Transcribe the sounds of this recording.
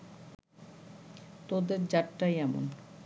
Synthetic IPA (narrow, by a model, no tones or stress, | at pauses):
t̪od̪eɾd͡ʑaʈːajɛmo̰n